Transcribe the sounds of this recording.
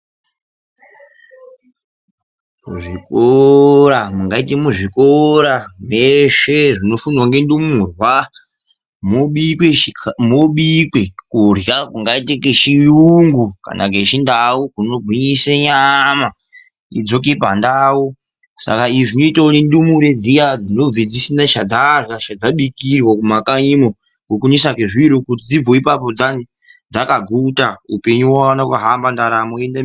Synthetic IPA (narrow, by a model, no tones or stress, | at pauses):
mṵʐikoɾamuŋɡaitimuʐikoɾameʃeʐino̞funiwaŋɡendimurwa | moɓikwemoɓikwekurjakuŋɡaitekeʃiuŋɡuka̰nʔa̰k̬eʃindaukuno̞ɡʱiɲiseɲama | ḭd͡zo̞k̬epa̰ndau | sa̰kaiʐinoitautindumuɾed͡zijad͡zinoved͡zisinaʃad͡zarjaʃad͡zaɓikirwakumakaɲimo | kukunisakeʐiɾokutid͡zib͡voipapo̞d͡zani | d͡zakaɡʱutaupe̞ɲuwaanakaɦambandaɾamoenda